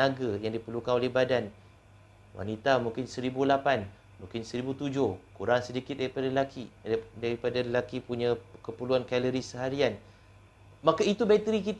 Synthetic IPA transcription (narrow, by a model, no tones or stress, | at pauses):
aɡajaŋdipəlukanolɛhbadan | wa̰nit̪amũŋkɪnsəɾibulapan | mũŋkɪnsəɾibut̪ud͡ʒʊhkuɾaŋsədikɪt̪̚daɾipadaləlakʰidaɾipadaləlakipuɲãkəpəluankɛləɾisəɦaɾian | makait̪ubɛt̪ɾikit̪